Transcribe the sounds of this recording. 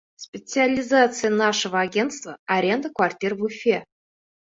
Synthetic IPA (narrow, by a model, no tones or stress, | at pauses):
spʲet̪t͡sɨalʲizat̪sɨjənɑʂəvəaɡʲent̪st̪vəaɾʲend̪əkvartʲirvufʲe